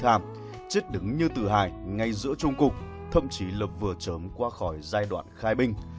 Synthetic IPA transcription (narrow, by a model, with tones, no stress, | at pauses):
t̪ʰaː˧m | t͡ɕi˦˥t̚ɗɨ˨˦ŋɲɨ˧t̪ɨ˨˩ɦa̰ː˧˩jŋa˧˩jzɨ̰˧˥ət͡ɕʊ˧ŋ͡mkʊ˨˩k͡p̚ | t̪ʰə̰˧˨mt͡ɕi˨˦ləː˨˩p̚vɨ˨˩ət͡ɕəː˨˦mkwaː˧xɔ˧˩jzaː˧jɗwa̰ː˧˨nxaː˧jɓï˧ŋ̟